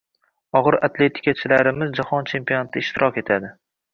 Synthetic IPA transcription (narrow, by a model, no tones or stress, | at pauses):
ɒʁɨɾa̰t̪ʰle̞t̪ʰɪ̥kʲʰat͡ʃʰɪlaɾɪmɪzd͡ʒahɒnt͡ʃʰe̞mpionat̪ʰɪɪʃt̪ɪɾɒkʲe̞t̪ʰad̪ɪ